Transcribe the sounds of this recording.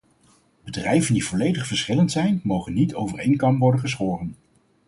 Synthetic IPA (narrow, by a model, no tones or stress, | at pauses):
bədrɛjvəndivɔlejdəχfəɹsχɪləntsɛjnmowχənːitowvərejŋkɑmpʋɔɹdənχəs̬χoːrən